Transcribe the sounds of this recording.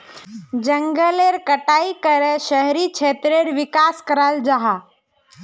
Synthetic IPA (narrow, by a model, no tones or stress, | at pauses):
d͡ʒəŋɡəleɾkəʈaːikəɾeʃəɦɾikt͡ʃʰeːt̪ɾeɾʋɪkaskəɾald͡ʒaɦa